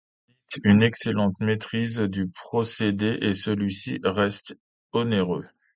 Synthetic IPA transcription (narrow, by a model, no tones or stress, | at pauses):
it̪ynɛkselɑ̃t̪met̪χizd̪ypχɔsed̪eʔesəlɥisḭʁɛst̪ | ɔneʁø